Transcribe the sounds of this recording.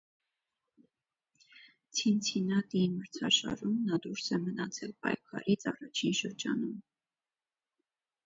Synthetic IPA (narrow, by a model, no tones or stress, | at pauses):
t͡sʰint͡sʰinɑt̪iməɾt͡sʰɑ̰ʃɑ̰ɾumnɑd̪uɾsɛmənɑt͡sʰɛlpɑ̰jkʰɑ̰ɾit͡sʰɑrɑt͡ʃʰinʃəɾd͡ʒɑ̰num